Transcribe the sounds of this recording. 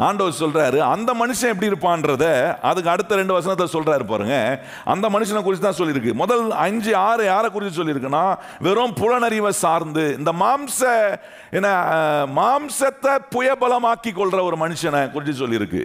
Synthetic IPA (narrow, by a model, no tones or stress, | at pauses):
aːɳɖɐʋɐsɔlɾaːɾɯɐ̰nd̪ɐmɐnɯʂɐ̃ɛp̬ːɐɽiɪɾɯpːãːnɾɐðɛɐðɯkːɯɐɽɯt̪ːɐɾɛɳɖɯʋɐsɐnɐt̪ːlɐsɔlɾaːɾɯpaːɾɯ̰ŋɡɐ | ʔɐ̰nd̪ɐmɐnɯʂ̬ɐnɐk̬ʊɾɪt͡ʃːɯt̪ːãːsɔlːɪɾɯkːɯmɔðɐlɐɲd͡ʒɯaːɾɯjaːɾɐkʊɾɪt͡ʃːɯs̬ɔlːɪɾɯkːɐnːaː | ʋɛɾoːmpʊɻɐnɐɾɪʋɐsaːɾnd̪ɯɪnd̪ɐmaːmsɐ | ɛnːɐmaːmsɐt̪ːɐpʊjɐbɐlɐmaːkːikːɔɭɾɐɔɾɯmɐnɯʂɐnɐkʊɾɪt͡ʃːɯs̬ɔlːɪɪɾɯkːɯ̰